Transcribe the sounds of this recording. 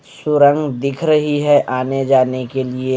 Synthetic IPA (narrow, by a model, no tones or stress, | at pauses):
sʊɾə̃ŋɡd̪ɪkʰɾəɦiɦɛʔaːned͡ʒaːnekelie